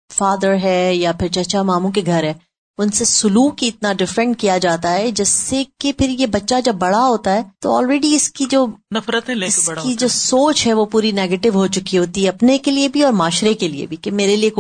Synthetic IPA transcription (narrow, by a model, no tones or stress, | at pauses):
faːd̪əɾɦɛjapʰɪɾt͡ʃɐt͡ʃamaːmũkeɡʱɐɾɦɛː | ʊnsesʊluːkiɪt̪naɖɪfɾɛ̃ɳʈ̚kijad͡ʒaːt̪aɦɛd͡ʒɛsːekepʰɪɾjebɐtːʃad͡ʒɐbːɐɽaɦoːt̪aɦɛːt̪o̰ɔːlɾɛːɖiɪskid͡ʒoːnɐfɾət̪ɦɛɪsɐɽkid͡ʒoːsoːt͡ʃɦɛʋopuːɾinɛːɡeːʈɪʋɦot͡ʃʊkiɦoːt̪iɦɛɐpnekeliebʱiɔːɾmaːʃɾekeliḛbʱikemeːɾeliek